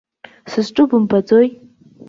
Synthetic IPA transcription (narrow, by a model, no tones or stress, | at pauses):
sɨzʈ͡ʂʼubɨmpad͡zoj